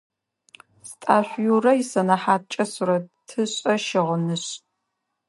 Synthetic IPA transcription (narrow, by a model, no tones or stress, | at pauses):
stʼaːɕʷjurɐjɪsɐnɐħaːt̚t͡ʃʼɐsuɾɐtʰɨɕʼɐʃɪʁənɨɕ